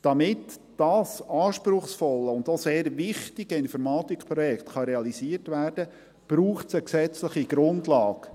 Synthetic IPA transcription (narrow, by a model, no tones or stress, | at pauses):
d̥ɑmɪt | d̥ɑːsɑːʃpɾʊχsfɔləʊndoseːɾʋɪχtɪɡəɪnfɔɾmɑːt̪ikpɾɔjɛktχɑɾeɑlisiːərtʋæːrd̥ə | b̥ɾuːχtsəksɛt͡sləχiɡ̥ɾʊndlɑːɡ